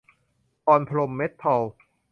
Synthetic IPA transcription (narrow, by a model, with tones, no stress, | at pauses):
ʔɔː˧npʰa˧lo˧mːe˦˥t̪ʰːa˧w